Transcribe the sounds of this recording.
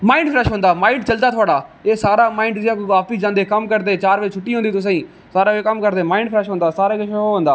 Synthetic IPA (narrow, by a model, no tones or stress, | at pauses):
maːiːɳɖpʰɾɛːʃɦõːnd̪aːmaːĩːɳɖt͡ʃəld̪aːt̪ʰʊaːɽaːeːsaːɾaːmãːɪːɳɖd͡ʒɪjãːkːɡaːpiːd͡ʒãːnd̪eːkəmkəɾd̪eːt͡ʃaːɾʋeːt͡ʃʰʊʈːiːɦõːnd̪iːt̪ʊs̬ãːĩː | saːɾaːʋeːkəmkəɾd̪eːmaːɪ̃ɳɖpʰɾɛːʃɦõːnd̪aːsaːɾeːkɪʃʰoːɦõːnd̪aː